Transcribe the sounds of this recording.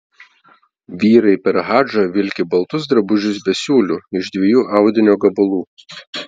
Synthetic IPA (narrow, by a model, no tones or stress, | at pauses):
ʋʲiːɾɐɪpʲɛɾɦɑːʒɐʋʲɪlʲkʲɪbɐlˠt̪ʊs̬d̪ɾɐbʊʒʲʊs̬bʲɛsʲuːlʲuːɪʒd̪ʲʋʲejuːʔɑˑʊd̪ʲɪnʲoːɡɐbʊlˠuː